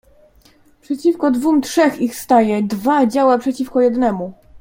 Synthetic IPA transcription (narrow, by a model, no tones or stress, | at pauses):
pʂɛt͡ɕifkɔd̪vumtʂɛxixst̪ajɛd̪vad͡ʑawapʂɛt͡ɕifkɔjɛd̪nɛmu